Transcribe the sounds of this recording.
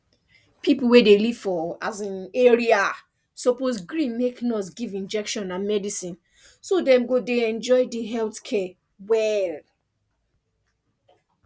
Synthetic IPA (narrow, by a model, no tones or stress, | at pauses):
pʰipul̩wedelivfɔazãneɹia | sɔposɡɹĩnmeknɔsɡivĩnd͡ʒɛkʃɔ̃nãnmɛdisĩn | sodɛ̃mɡodeɛ̃nd͡ʒɔɪdiɦɛltkʰɛ | wɛl